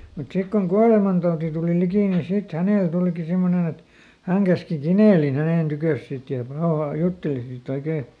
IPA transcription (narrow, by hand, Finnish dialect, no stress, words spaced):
mut sik koŋ kuɑlemɑntɑuti tuˑli likiˑ nin sit hæneˑl tuˑliki simːonen et hæŋ kæski kineˑlin hæneˑn tykøˑs sit jɑ pɑohɑ jutːeli sit oikeː